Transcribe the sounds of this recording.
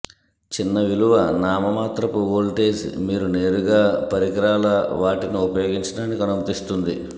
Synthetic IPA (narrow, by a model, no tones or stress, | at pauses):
t͡ʃinːɐʋiluʋɐnaːmɐmaːt̪ɾɐpuʋoːlʈeːsḭmiːɾune̞ːɾuɡaːpɐɾikɐɾaːlɐʋaːʈiniupɐjo̞ːɡiɲt͡ʃɐɽaːnːikɐnɐmɐt̪ist̪und̪ḭ